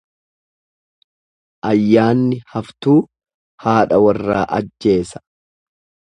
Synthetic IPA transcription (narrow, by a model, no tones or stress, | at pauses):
ʔɐjːaːnːɪhɐft̪uː | haːᶑɐwɐrːa̰ːʔɐd͡ʒːe̞ːsɐ̥